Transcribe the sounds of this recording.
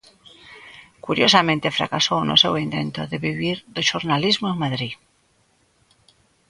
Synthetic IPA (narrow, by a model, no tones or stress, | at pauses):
kuɾjo̞samẽnt̪e̞fɾa̰kaso̞uno̰sewint̪e̞̰nt̪o̞ðe̞βiβiɾðoʃoɾnalizmoeŋmaðɾi